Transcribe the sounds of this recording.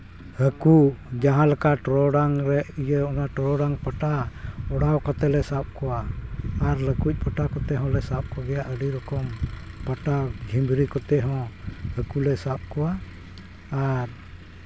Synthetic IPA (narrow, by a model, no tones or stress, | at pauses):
həkud͡ʒaɦãlakaʈɾɔɖaŋɾɛʔijəɔnaʈɾɔɽaŋpaʈaɔɽawkat̪ɛlɛsap̚kɔwaː | ɾləkuc̚ˀpəʈakɔt̪ɛɦɔ̃lɛsap̚kɔɡɛjaʔəɖiɾɔkɔm | paʈaɡʱimbɾikɔt̪ɛɦɔ̃həkulɛsap̚kɔwaː | ɾ